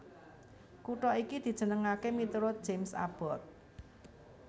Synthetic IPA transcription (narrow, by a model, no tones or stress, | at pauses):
kuʈɔikid̪̥i̤d̥ʒ̥ə̤nəŋakemit̪uɾʊt̪̚dʒ̥emsa̰b̥ɔt̪̚